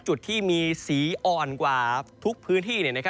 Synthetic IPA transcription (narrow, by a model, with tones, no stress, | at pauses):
t͡ɕu˨˩t̪ʰːiː˥˩miː˧siː˩˦ʔɔː˨˩nkwaː˨˩t̪ʰu˦˥k̚pʰɯː˦˥nt̪ʰiː˥˩ni˥˩ɐna˥kʰa˥